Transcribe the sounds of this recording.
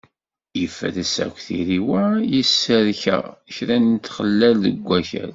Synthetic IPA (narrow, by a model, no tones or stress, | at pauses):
jəfːæ̰ðəsæ̰kʷθiɾiwæjəsːəɾçæ̰çɾænt̪ːχəlːælðəɡʷːæçæ̰l